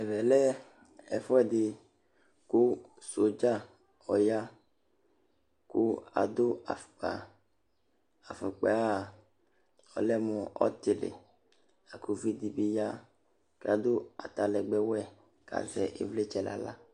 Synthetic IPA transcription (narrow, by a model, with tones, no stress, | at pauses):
ɛ˨vɛ˨lɛ˦ | ɛ̰˨fɔ˦ɛ˨dɪ˨ | ku˦so˨d͡ʒa˦ | ɔ˨ja˦ | ku˦a̰˨d̪o˦a̰˨fu̥˨k͡pa̰˨ | a˨fu˨k͡pe˨a˦˨ | ɔ̰˨lɛ˦mɔ̃˨ɔ̰˦t̪e˨lḛ˨ | a˨ku˨vi˦d̪i˨bi˦ja˦ | ke˦a˨d̪o˦a˨t̪a˨lɛ˨ɡ͡bɛ˦wɛ˦ | ka̰˨zɛ̰˨ʔḛ˨vle˦t͡ʃɛ˦la̰˨la̰˦